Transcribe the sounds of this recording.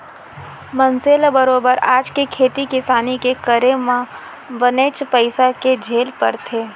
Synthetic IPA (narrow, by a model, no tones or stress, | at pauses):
mɐ̃nseːlabəɾoːbəɾaːd͡ʒkekʰeːt̪ikɪsaːnikekəɾemã | ʋəneːt͡ʃpəɪsaked͡ʒʱeːlpɐ̰ɾt̪ʰeː